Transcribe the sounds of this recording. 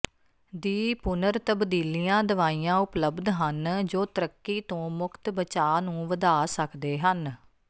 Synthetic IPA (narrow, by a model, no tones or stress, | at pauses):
d̪iːpʊnəɾt̪əbd̪iːliːãːd̪əʋaːiːãːʊpləbd̪ɦənd͡ʒoːt̪əɾəkːiːt̪õːmʊkʰt̪bət͡ʃaːnũːʋəd̪aːsəkd̪eːɦən